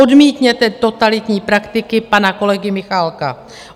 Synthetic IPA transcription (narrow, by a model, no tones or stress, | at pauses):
odmiːt̪ɲɛt̪ɛt̪o̞t̪alɪt̪ɲiːpɾakt̪ɪkɪpanako̞lɛɡɪmɪxalka̰